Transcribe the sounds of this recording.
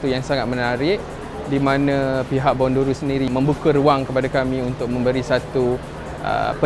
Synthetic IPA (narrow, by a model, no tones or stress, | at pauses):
t̪ujaŋsaŋat̪̚mənaɾɪʔ | dimãnãpiɦaʔ̚bɔnduɾusəndiɾimə̃mbukəɾuaŋkəpadakamĩunt̪ʊk̚mə̃mbəɾisat̪u | ə̰pə